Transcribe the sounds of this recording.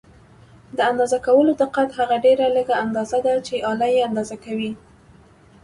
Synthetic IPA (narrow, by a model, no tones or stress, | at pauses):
d̪əand̪ɑzakawəlod̪əqat̪ɦaɣaɖeɾaləɡaand̪ɑzad̪at͡ʃeʔɑlajeand̪ɑzakawi